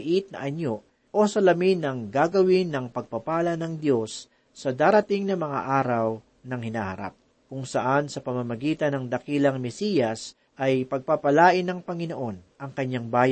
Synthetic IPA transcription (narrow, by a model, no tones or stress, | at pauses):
ʔit̪̚nɐ̰ʔɐɲo | ʔo̞sɐlɐminɐŋɡaɡɐwɪnːɐŋpɐɡ̚pɐpaːlɐnɐŋd̪jo̞sː | ɐd̪aːɾɐt̪iŋnɐmɐŋa̰ʔaːɾɐw | nɐŋhɪnaːhɐ̰ɾa̰p̚ | kʊŋsɐʔansɐpɐmamɐɡiːt̪ɐnɐŋd̪ɐkiːlɐŋmɛsiːjɐs | ʔɐjpɐɡ̚papɐlaːʔɪnːɐŋpɐŋɪno̞ʔo̞nʔɐŋkɐɲːaŋbaːj